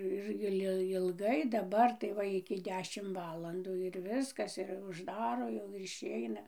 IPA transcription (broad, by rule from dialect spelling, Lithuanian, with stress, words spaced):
ˈɪr ˈɪlˠ ɪlˠˈɡɐɪ dɐˈbɐr tɐɪ ˈʋɐ ɪkʲɪ ˈdʲæːʃʲɪm ˈʋɑːlˠɐnduː ɪr ˈʋʲɪskɐs ɪr ʊʒˈdɑːroː jɛʊ ɪr ɪʃʲˈɛɪnɐ